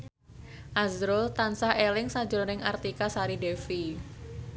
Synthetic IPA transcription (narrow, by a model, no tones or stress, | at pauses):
ʔazɾʊlt̪ansahelɪŋsḁd͡ʒʊnɪŋart̪ikasaɾidefi